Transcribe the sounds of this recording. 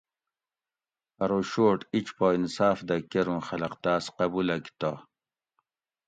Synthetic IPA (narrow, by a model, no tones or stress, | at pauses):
ɐɾoɕoːʈit͡ɕpoːinsaːfd̪ɐkeɾũmxɐlɐqt̪aːsqɐbulɐki̥t̪a